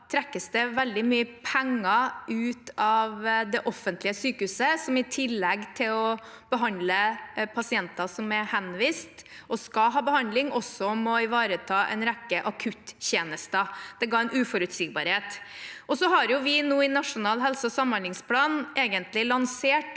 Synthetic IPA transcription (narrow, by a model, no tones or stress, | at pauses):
t̪ʰɾɛkːəsd̪ɛʋɛld̪ɪmyːəpʰɛŋːɑʉːt̪ɑʋd̪ɛʔɔfənt̪lɪəsyːkəhʉːsəsɔmɪt̪ʰɪlːɛɡt̪ʰɪlɔ | b̥əɦɑnd̪ləpʰɑsɪɛnt̪ɑsɔmɛhɛnʋiːst̪ʔɔskɑɦɑːbəhɑnd̪lɪŋɔsɔmɔɪʋɑːɾət̪ʰɑːʔɛ̰ɪnɾɛkːəʔɑkʰʉt̪çeːnəst̪əd̪̥ɛɡɑːɛɪnʉːfɔɾʉt̪siːɡ̚bɑ̰ːɾheːt̪ɔsɔɦɑɾjʊʋɪnuːɪnɑʂʊnɑːlɦɛlsɑɔsɑmːɑnlɪŋspʰlɑːnʔeːɡənt̪lɪlɑnseːʈ